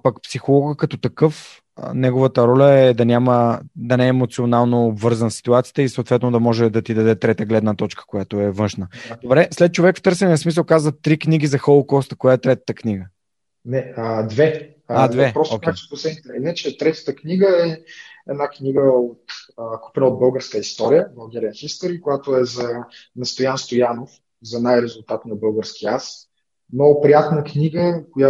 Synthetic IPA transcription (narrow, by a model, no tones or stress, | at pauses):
pɐkpsixolˠɔɡəkɐt̪ɔt̪ɐkɤf | nɛɡovət̪əɾɔlʲəɛd̪ɐnʲaməd̪ɐnɛɛːmot̪sionalˠnoːbvɤɾzənsi̥t̪uat̪si̥jə̥t̪əisot̪vɛt̪nod̪ɐmɔʒɛd̪ɐt̪id̪ɐd̪ɛt̪ɾɛt̪əɡlɛd̪nət̪ɔt͡ʃkə̥kojat̪oɛvɤ̃nʃnəd̪obɾɛslɛt̪̚t͡ʃovɛkft̪ɤɾsɛniəsmis̬əlˠkazvət̪ːɾikniɡʲizɐxolˠkɔst̪əkojaɛt̪ɾɛt̪ə̥t̪əkniɡə | nɛəd̪vɛ | ad̪vɛpɾɔsokʲkakt̪o̥poslɛnit̪ɛɛnət͡ʃɛt̪ɾɛt̪ə̥t̪əkniɡəɛɛnakniɡəot̪əku̥pɛnəod̪̚bɤlˠɡəɾskəist̪ɔɾijəvɐlˠɡʲɛɾiɛnxist̪əɾikojat̪oɛzɐnɐst̪ojanst̪ojanof | zɐnajɾɛzʊlˠt̪at̪nɐbɤlˠɡəɾsk̟ias | mnɔɡʊpɾijat̪nəkniɡəkoja